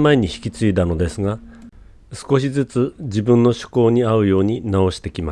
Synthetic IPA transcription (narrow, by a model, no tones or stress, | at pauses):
maeɲ̟içi̥kʲit͡sɨid̪ano̞d̪e̞sɨɡa | sɨ̥ko̞ɕ̬izɨt͡sɨd͡ʑibɯ̟̃nːo̞ɕɨ̥ko̞ːɲ̟iaɯ̟jo̞ːɲ̟inao̞ɕi̥t̪e̞kʲima